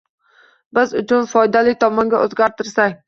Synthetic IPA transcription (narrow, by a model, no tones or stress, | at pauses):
bɪzʊt͡ʃʰʊnfɒjd̪alɪk̚ʲt̪ʰɒmɒŋɡʲaʔozɡʲaɾt̪ʰɪɾsakʲ